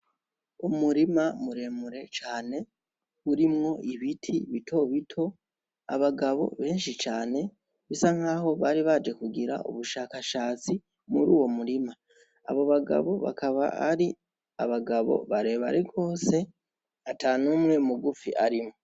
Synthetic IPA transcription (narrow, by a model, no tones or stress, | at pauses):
umuɾimamuɾe̞muɾe̞t͡ʃaːne̞ | uɾimŋo̞ʔiβitʰiβitʰo̞βitʰo̞ | a̰βaɡaβo̞̰βe̞ːnʃit͡ʃaːne̞ | βisaŋ̥haːho̞βaːɾiβad͡ʒe̞kuɡiɾa̰ʔṵβuʃaːkaʃaːt͡si | muɾuːwo̞muɾima | a̰βo̞βaɡa̰βo̞βa̰kaβa̰a̰ɾi | a̰βaɡaβo̞̰βaɾe̞ːβa̰ɾeɡo̞ːse̞ | atanuːmŋe̞muɡufḭʔaɾimŋo̞